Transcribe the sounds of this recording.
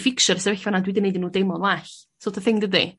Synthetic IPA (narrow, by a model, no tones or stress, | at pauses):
fɪkʃɔɾsəɾvɛɬvanadwidənejdənːuːdejmɔnwaːɬ | soːtʰəθɪŋdədḭ